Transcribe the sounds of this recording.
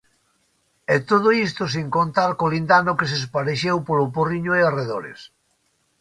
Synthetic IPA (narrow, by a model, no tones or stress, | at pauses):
ɛt̪oð̞oist̪ʊs̬iŋkont̪aɾkolind̪anʊkesespaɾeʃewpoloporiɲoeareðoɾḛs